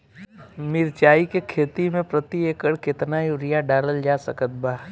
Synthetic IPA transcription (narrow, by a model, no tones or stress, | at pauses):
mɪɾt͡ʃaːikekʰeːt̪imẽpɾət̪ieːkəɽkɪt̪najuɾɪjaɖaːɾəld͡ʒaːsəkət̪̚baː